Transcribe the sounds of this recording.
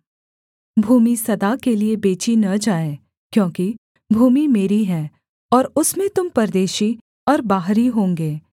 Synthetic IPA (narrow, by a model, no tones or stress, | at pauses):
bʱuːmisɐd̪akeliebeːt͡ʃinɐd͡ʒaːe | kjõːki | bʱuːmimeːɾiɦɛː | ɔːɾʊsmẽt̪ʊmpɐɾd̪eːʃi | ɔːɾbaːɦɾiɦõːŋɡeː